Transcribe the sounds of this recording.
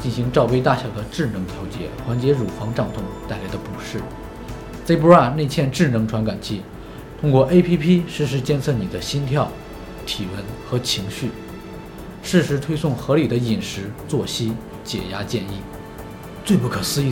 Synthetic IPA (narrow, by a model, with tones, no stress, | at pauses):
t͡ɕi˥˩nɕi˧˥ŋʈ͡ʂɑ˥˧ʊpe˥ɪt̪a˥˩ɕjɑ˨˩ʊd̪ə˦ʈ͡ʂɻ̩˥˩nɤ˧˥ŋt̪ʰjo˧˥ʊt͡ɕjɛ̰˧˥xwa˧˥nt͡ɕjɛ˧˥ɻu˨˩xwɑ˧˥ŋʈ͡ʂɑ˥˩ŋt̪ʰʊ˥˧ŋt̪a˥˩ɪla˧˥ɪd̪ə˧pu˨˩ʂɻ̩˥˩ | t͡se˥ɪp̬u˥a˥˧˩ne˥˧ɪt͡ɕʰjɛ˥˧nʈ͡ʂɻ̩˥˩nɤ˧˥ŋʈ͡ʂʰwa˧˥nka˨˩nt͡ɕʰi˥˩ | t̪ʰʊ˥ŋkwɔ˥˩ʔe˥ɪpʰi˥pʰi˥ʂɻ̩˥˩ʂ̬ɻ̩˧˥t͡ɕjɛ˥˧nt͡sʰɤ˥˩ni˨˩d̪ə˦ɕi˥nt̪ʰjɑ˥˩ʊ | t̪ʰi˨˩wə˧˥nxɤ˧˥t͡ɕʰi˧˥ŋɕy˥˩ | ʂɻ̩˥˩ʂɻ̩˧˥t̪ʰwe˥ɪsʊ˥˩ŋxɤ˧˥li˨˩d̪ə˦i˨˩nʂɻ̩˧˥t͡swɔ˥˩ɕi˥ | t͡ɕjɛ̰˨˩ja˥t͡ɕjɛ˥˧ni˥˩ | t͡swe˥˧ɪpu˥˩kʰɤ˨˩sɹ̩˥i˥˩